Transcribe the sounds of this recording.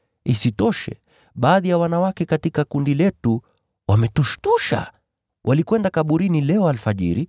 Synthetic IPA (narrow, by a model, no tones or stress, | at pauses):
isitɔʃɛ̰ | ɓaːðijawanawakɛkatikakundilɛtu | wʔamɛtuʃtuʃa̰ | wʔalikwɛndakaɓuɾinilɛɔalfaʄḭɾi